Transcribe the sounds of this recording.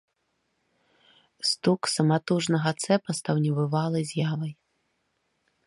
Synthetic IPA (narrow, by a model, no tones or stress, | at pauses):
st̪uksɐmat̪uʐnɐɣɐt̪sɛpɐst̪ɐwnʲɛvɨvalˠɐjzʲjavɐj